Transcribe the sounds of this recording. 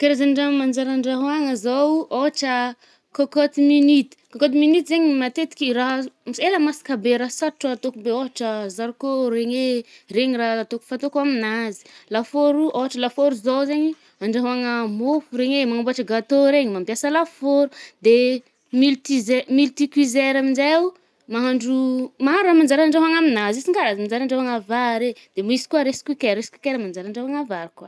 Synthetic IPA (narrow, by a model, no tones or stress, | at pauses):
keɾezaɳɖ͡ʐaŋmand͡ʒaɾaɳɖ͡ʐaɦwaŋəzawʔoʈ͡ʂə | kokot̪iminit̪i̥kokot̪iminit̪izeɲimat̪et̪i̥kʲiraɦselamasi̥kabeɾasaʈ͡ʂat̪okubeoɦaʈ͡ʂəzaɾikoɾeŋereŋiraɦt̪oku̥fat̪okwaminazi̥lafoɾuʔoɦaʈ͡ʂəlafoɾuzowzeɲi | aɳɖ͡ʐaɦaŋəmofuɾeŋemaŋamboaʈ͡ʂəɡat̪oɾeɲimambjasəlafoɾud̪e | milt̪izemilt̪ikwizeɾamind͡ʒau | maɦaɳɖ͡ʐumaaɾamand͡ʒaɾaaɳɖ͡ʐaɦaŋaminazisiŋkaɾazimand͡ʒaɾaɳɖ͡ʐaɦaŋavaɾed̪̥emisi̥kuaɾeskikeɾɾesi̥kikeɾamand͡ʒaɾaɳɖ͡ʐaɦaŋavaɾkwa